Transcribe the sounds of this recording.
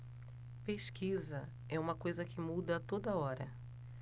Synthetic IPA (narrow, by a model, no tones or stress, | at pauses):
peʃkʰizɐ | ɛũmɐkojzɐkɪmud̪ɐt̪od̪ɐɔɾɐ̰